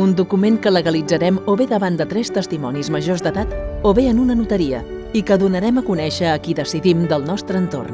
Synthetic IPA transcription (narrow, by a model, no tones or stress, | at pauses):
und̪ukumeŋkələɣəlid͡zəɾɛmoβeðəβand̪ət̪ɾɛst̪əst̪imɔnizməʒozd̪əðat̪oβeənunənut̪əɾiə̰ | ikəðunəɾɛməkunɛʃəːkiðəsiðimd̪əlˠnɔst̪ɾəːnt̪o̰rn